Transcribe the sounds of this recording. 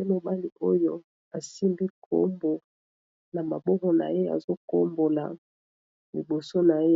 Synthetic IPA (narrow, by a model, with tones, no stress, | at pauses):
e˦mo˨ba˦li˨ʔo˦jo˦ | a˨si˦mbi˦kʰo̰˦mbo˨ | na˨ma˨bɔ˦kɔ˨na̰˨je˦a̰˨zo˦ko˦mbo˨la˨ | li˨bo˨so˦na˨je˦